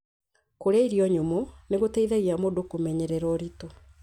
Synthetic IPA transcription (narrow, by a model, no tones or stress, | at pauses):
koɾaiɾiɔɲomoneɣoteiðaɣiamodokomɛɲɛɾɛɾɔɾito